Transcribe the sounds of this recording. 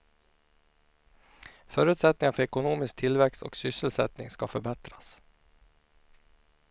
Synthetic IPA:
fœːɾʉːt̪sɛt̪nɪŋanfœɾɛkʊnuːmɪsk̚t̪ʰɪlvɛksɔ̰ksʏsːəlsɛ̰t̪nɪ̰ŋskafœɾbɛt̪ɾas

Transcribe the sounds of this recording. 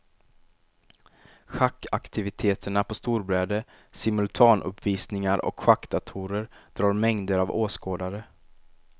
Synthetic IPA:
ɧakːakt̪ʰɪvɪt̪ʰeːt̪ʰəɳapʰɔst̪uːɾbɾɛːd̪ə | sɪmɵlt̪ʰɑːnʔɵ̰pviːsnɪŋaɾʔɔ̰kɧakːd̪at̪ʰuːɾəɾd̪̥ɾɑːɾmɛŋd̪əɾavoːskoːd̪aɾə

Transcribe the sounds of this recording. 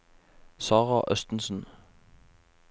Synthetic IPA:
sɑːʁɑʔœst̪n̩sn̩

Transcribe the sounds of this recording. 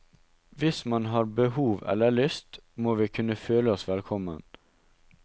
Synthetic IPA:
ʋɪsmɑnɦɑːɾbəhuːʋɛ̰lːəɭʏst̪moːʋiːkʰʉnəføːləɔsʋɛlkʰɔmən

